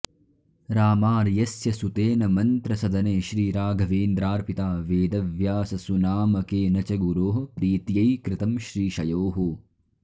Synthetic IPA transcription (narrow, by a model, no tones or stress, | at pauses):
ɾaːmaːɾjɐsjɐsut̪eːnɐmɐnt̪ɾɐsɐd̪ɐneːʃɾiːɾaːɡʱɐʋeːnd̪ɾaːɾpit̪aːʋeːd̪ɐʋjaːsɐsunaːmɐkeːnɐt͡ʃɐɡuɾoːɦɐ̆pɾiːt̪jɐjkɾɪt̪ɐmʃɾiːʃɐjoːɦu